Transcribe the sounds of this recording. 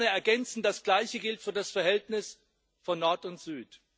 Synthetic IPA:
nəɛɐɡɛnt͡sn̩dasɡ̥laɪçəɡɪltfyːɐdasfɛɐhɛltnɪs | fɔnːɔɐtʊntz̥yːt

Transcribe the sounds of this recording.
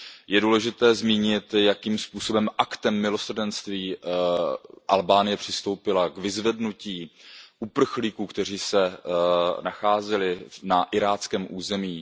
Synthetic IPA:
jɛduːlɛʒɪt̪ɛːzmiːɲɪt̪jakiːmspuːso̞bɛmʔakt̪ɛmːɪlo̞sr̩dɛnst̪viː | ʔalbaːnɪjɛpr̥ɪst̪o̞wpɪlakvɪzvɛdnuciːʔupr̩xliːkuːkt̪ɛr̝iːsɛ | naxaːzɛlɪnaʔɪɾaːt͡skɛːmʔuːzɛmiː

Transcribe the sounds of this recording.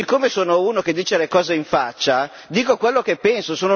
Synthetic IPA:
ikːoːmesoːnouːnoked̪ːiːt͡ʃelekɔːzeiɱfat͡ʃːa | d̪iːkokwelːokepːɛnsosoːno

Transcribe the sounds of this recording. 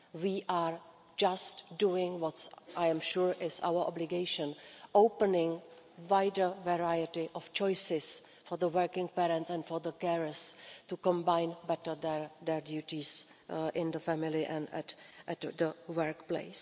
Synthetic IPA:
wiːʔaːɹ | d͡ʒastduɪ̃ŋwɔtʔajɛ̃mʃuːɹʔɪsa̰wəʔɔ̰blɪɡeɪʃə̃nʔowpənɪ̃ŋ | vajdəvɛɹajɪtɪʔɔft͡ʃɔjsɪs | fɔɹd̪əwɜɹkɪ̃ŋpɛːɾɛ̃ntsɛ̃ntfɔɹd̪əkɛɹəstukɔ̃mbajnbɛtəd̪ɛɹd̪ɛɹdjutis | ʔɪ̃nd̪əfæmɪlɪʔɛ̃nɛ̰tʔɛtd̪əwəɹkplḛɪs

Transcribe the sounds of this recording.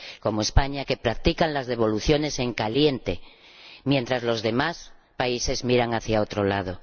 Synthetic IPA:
ko̞moe̞spaɲake̞pɾak̚t̪ikanlazðe̞β̞o̞luθjo̞ne̞se̞ŋkalje̞nt̪e̞ | mje̞nt̪ɾazlo̞zðe̞mas | paise̞zmiɾaŋaθjao̞t̪ɾolað̞o̞

